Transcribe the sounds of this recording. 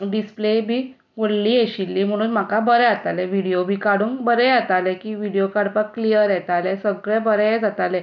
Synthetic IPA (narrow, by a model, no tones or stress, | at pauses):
ɖisplebʱiː | ʋoɽliːeɕilːiːm̤əɽ̃uːnm̤akabəɾɛ̃at̪alɛʋiɽijobʱiːkaɽuːŋkbəɾɛat̪alɛkiːʋiɽijokaɽpaklijəɾjɛt̪alɛsəɡɭɛ̃bəɾɛd͡zat̪alɛ̃